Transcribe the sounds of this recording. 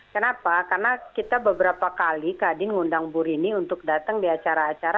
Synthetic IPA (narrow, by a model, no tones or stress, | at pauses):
kənapakarnakit̪abəbəɾapakalikadɪnŋundaŋbuɾiniunt̪ʊk̚dat̪əŋdiat͡ʃaɾaːt͡ʃaɾa